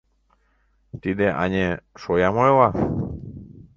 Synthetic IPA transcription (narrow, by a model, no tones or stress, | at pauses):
t̪id̪eʔa̰ɲeʃojamoela